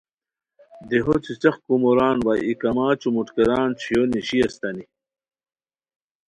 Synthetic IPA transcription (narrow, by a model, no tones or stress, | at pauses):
d̪eɦot͡sit͡sɐχkumoɾaːnwaikɐmaːt͡ɕumuʈkeɾaːnt͡ɕʰjoniɕiɐst̪ɐni